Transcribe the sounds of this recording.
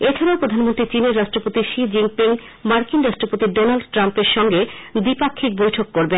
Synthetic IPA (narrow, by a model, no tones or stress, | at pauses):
et͡ɕʰaɾaopɾod̪ʱanmont̪ɾit͡ɕineɾːaʃʈɾopot̪iʃid͡ʑiŋpiŋ | maɾkinɾaʃʈɾopot̪iɖonalɖʈɾampeɾʃɔŋɡed̪ipakʰːik̚bojʈʰokːoɾben